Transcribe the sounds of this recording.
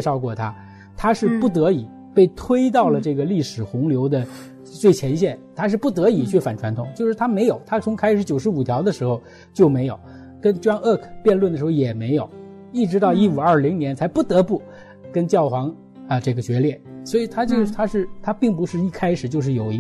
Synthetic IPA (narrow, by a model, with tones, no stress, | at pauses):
ʂɑ˥˧ʊkwɔ˥˩t̪ʰa˥ | t̪ʰa˥ʂɻ̩˥˧pu˥˩t̪̬ɤ˧˥i˨˩˦ | pe˥˩ɪt̪ʰwe˥ɪt̪̬ɑ˥˩ʊlə˩ʈ͡ʂɤ˥˩ɡə˩li˥˩ʂɻ̩˨˩xʊ˧˥ŋljo˧˥ʊd̪ə˧ | t͡swe˥˩ɪt͡ɕʰjɛ˧˥nɕjɛ˥˩nt̪ʰa˥ʂ̬ɻ̩˥˧pu˥˩t̪̬ɤ˧˥i˨˩t͡ɕʰy˥˩fa˨˩nʈ͡ʂʰwa˧˥nt̪ʰʊ˧˥ŋt͡ɕjo˥˧ʊʂɻ̩˥˩t̪ʰa˥me˧˥ɪjo˨˩˦ʊt̪ʰa˥t͡sʰʊ˧˥ŋkʰa˥ɪʂɻ̩˧˥t͡ɕjo˨˩ʊʂɻ̩˧˥u˨˩t̪ʰjɑ˧˥ʊd̪ə˧ʂɻ̩˧˥xo˧ʊ | t͡ɕjo˥˩ʊme˧˥ɪjo˨˩ʊ | kə˥nʈ͡ʂwɑ˥ŋə˥˩kʰpjɛ˥˧nlwə˥˩d̪ə˩ʂɻxo˥˧jɛ˨˩me˧˥ɪjo˨˩˦ʊ | i˥˩ʈ͡ʂɻ̩˧˥t̪ɑ˥˧ʊi˥u˨˩ɐ˞˥˩li˧˥ŋnjɛ˧˥nt͡sʰa˧˥ɪpu˥˩t̪ɤ˧˥pu˥˩ | kə˥nt͡ɕjɑ˥˩ʊxwɑ˧˥ŋ | ə˧ʈ͡ʂɤ˥˩ɡə˩t͡ɕɥɛ˧˥ljɛ˥˩swɔ˧˥i˨˩t̪ʰa˥t͡ɕjo˥˧ʊ˥˩t̪ʰa˥ʂɻ̩˥˧t̪ʰa˥pi˥˩ŋp̬u˧˥ʂɻ̩˥˧i˥˩kʰa˥ɪʂɻ̩˨˩t͡ɕjo˥˧ʊʂ̬̩˥˩jo˨˩ʊi˧˥